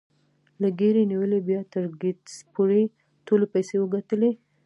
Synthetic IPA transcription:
laɡeɾeniwəlebjɑt̪əɾɡɪd̪spuɾe | t̪olepajsewəɡat̪əle

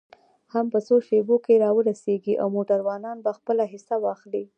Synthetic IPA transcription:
hampəsoʃebokeɾɑwəɾaseɡiʔa̰wmoʈaɾwɑnɑnbaxpəlaɦɪsawɑxli

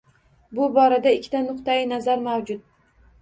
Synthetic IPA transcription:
bʊbɒɾad̪aɪkʲʰːt̪ʰanʊqt̪ajɪnazaɾmawd͡ʒʊd̪̚

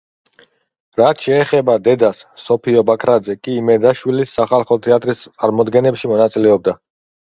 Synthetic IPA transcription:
ɾat̪ʰʃɛːχɛbad̪ɛd̪asːɔpʰiɔbakʰɾad̪zɛkʼiːmɛd̪aʃwilisːaχalˠχɔt̪ʰɛat̪ʼɾist̪t̪sʼaɾmɔd̪ɡɛnɛpʃimɔnat̪sʼilɛɔb̚d̪a

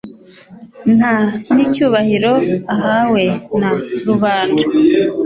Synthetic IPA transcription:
n̥hanicuːβahiɾo̞aɦawe̞naɾuβaːnda

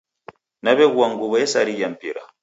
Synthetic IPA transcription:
naβɛɣwaŋɡuβɔjɛsaɾijam̩pḭɾa̰

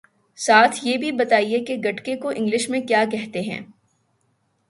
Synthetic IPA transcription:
saːt̪ʰjebʱibɐt̪aːiekeɡɐʈkekoʔɪ̃ŋɡlɪʃmẽkjaːkɛɦt̪eɦɛ̰̃ː

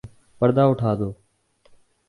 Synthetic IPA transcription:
pəɾd̪aːʊʈʰaːd̪oː

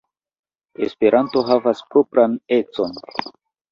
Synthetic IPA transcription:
espe̞ɾʔanto̞ɦavaspɾopɾane̞t͡so̞n

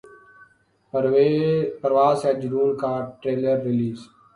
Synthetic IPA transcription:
pəɾʋaːsɛd͡ʒɾuːlkaːʈɾeːləɾːɪliːz

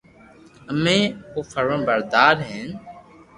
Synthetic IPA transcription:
əmẽːpoːfʰəɾʋəɳbəɾd̪aːɾɦẽːn

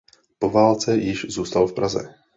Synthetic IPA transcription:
po̞vaːlt͡sɛjɪʃzuːst̪alfpɾazɛ̰

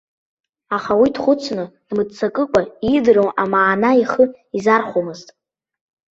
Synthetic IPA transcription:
aχawidχʷʊt͡sʰnɨd̥mɨdt͡sʰakʼɨkʷʼaidrowamaːnaiχə | izarχʷomɨztʼ

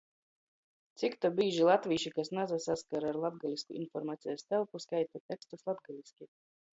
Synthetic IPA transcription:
t̪sʲikt̪abiːʒilˠat̪vʲiːʃikasnazasaskaɾaːɾlˠab̪̚ɡalʲiskṵḭnfɔɾmaːt̪sijast̪ɛlˠpuskajt̪at̪ʲɛkst̪uslˠab̪̚ɡalʲisʲkʲi

